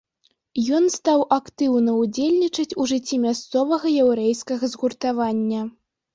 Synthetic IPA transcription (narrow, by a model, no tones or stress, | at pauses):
jɔnst̪awʔakt̪ɨwnɐud͡zʲelʲnʲit͡ʂɐt͡sʲuʐɨt͡sʲːimʲast̪sɔvɐɣɐjawɾɛjskɐɣɐzɣurt̪avanʲːɐ